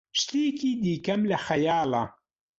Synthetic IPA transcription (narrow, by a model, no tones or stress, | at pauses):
ʃt̪ikiːd̪iːkɐmlɐxɐjaːlˠɐ̰